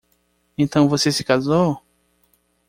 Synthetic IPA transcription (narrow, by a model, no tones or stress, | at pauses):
ẽt̪ɐ̃w̃vosesɪ̥kazow